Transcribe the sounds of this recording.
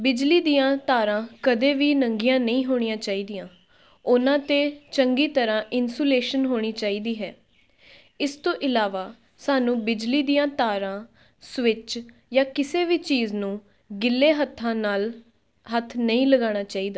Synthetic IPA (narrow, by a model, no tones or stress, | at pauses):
bɪd͡ʒliːd̪iːãːt̪aːɾãːkəd̪eːʋiːnəŋɡijãːnəĩːɦoːɽ̃ijãːt͡ʃaːiːd̪ijãː | ʊnãːt̪eːt͡ʃəŋɡiːt̪əɾãːʔɪnsoːleːʃənɦoːɽ̃iːt͡ʃaːiːd̪iːɦɛː | ɪst̪õːʔɪlaːʋaː | saːnũːbɪd͡ʒliːd̪ijãːt̪aːɾãː | sʋɪt͡ʃ | jaːkɪseːʋiːt͡ʃiːznũː | ɡɪlːeːɦət̪ʰːãːnaːl | ɦət̪ʰːnəĩːləɡaːɽ̃aːt͡ʃaːiːd̪aː